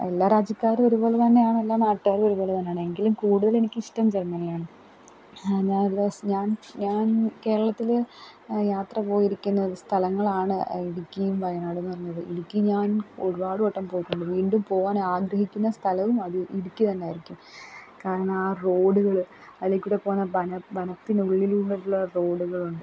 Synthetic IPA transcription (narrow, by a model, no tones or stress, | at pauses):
elːaːɾaːd͡ʑɐkʲːaːɾoɾubo̞ːlet̪ɐnːe̞aːɳelːaːnaːʈːaːɾo̞ɾubo̞ːɭet̪ɐnːeaːɳɨe̞ŋɡilumkuːɽuðɐɭe̞nikʲːɨiʂʈɐmd͡ʑermːɐnilaːɳɨ | ɲaːnlːɐɲaːnɲaːnke̞ːɾɐɭɐt̪ːil | jaːt̪rɐpo̞ːjiɾikʲːunːɐðɨst̪ʰɐlɐŋːɐɭaːɳɨiɽikʲːɐjumʋɐjɐnaːɽenːɨʋɐrɐɲːɐðɨʔinikʲːɨɲaːno̞ɻubaːɽɨoʈːɐmpo̞ːjiʈːuɳɖɨʋiːɳɖumpo̞ːʋaːnaːɡɾɐɦikʲːunːɐst̪ʰɐlɐʋumɐðɨʔiɽikʲːut̪ɐnːeaːjiɾikʲːumkaːɾɐɳɐmaːro̞ːɽuɣɐɭɐðlekʲːuɽepo̞ːunːɐbɐnɐbɐnɐt̪ːinuɭːiluɭːɐɾuɭːɐro̞ːɽuɣɐɭuɳɖɨ